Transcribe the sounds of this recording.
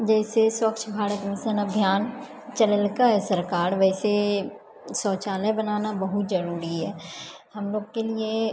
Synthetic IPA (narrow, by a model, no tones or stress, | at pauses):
d͡ʒɛːseswɐkt͡ʃʰbʱaːɾət̪mẽsənəbʱjaːn | t͡ʃɐləlkaɦɛsəɾkaːɾʋɛːse | sɔːt͡ʃaːlẽbənaːnabɐɦʊt̪d͡ʒɐɾuːɾiɦɛː | hɐmloːɡkelie